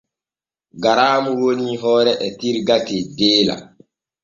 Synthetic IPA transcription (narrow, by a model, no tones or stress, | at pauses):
ɡaɾaːmuwoniɦɔːɾɛʔɛtiɾɡatɛdeːla̰